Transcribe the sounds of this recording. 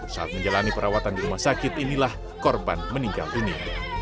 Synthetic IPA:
sa̰at̪̚məɲd͡ʒalanipəɾawat̪andiɾumahsakɪt̪inilah | kɔrba̰nməniŋɡa̰lʔini

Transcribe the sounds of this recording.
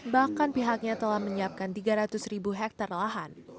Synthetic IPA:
bahkanpiɦak̚ɲat̪əlahməɲiap̚kant̪iɡaɾat̪ʊsribuɦɛk̚t̪arlaɦan

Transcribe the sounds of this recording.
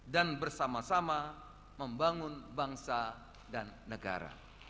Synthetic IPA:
danbərsamasama | məmbaŋʊnbaŋsa | danːəɡa̰ɾa̰

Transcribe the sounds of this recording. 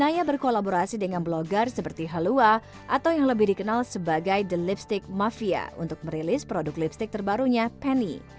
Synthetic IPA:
najabərkolaboɾasidəŋanbloɡarsəpərt̪iɦalua | ʔat̪awjaŋləbɪhdikənalsəbaɡajdəlipst̪ɪk̚mafia̰ṵnt̪ʊk̚məɾelɪspɾodʊklipst̪ɪk̚t̪ərbaɾuɲapɛnḭ

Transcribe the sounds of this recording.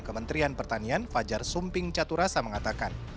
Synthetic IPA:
kəmənt̪ɾianpərt̪anianfad͡ʒarsumpɪŋt͡ʃat̪uɾasaməŋat̪akan

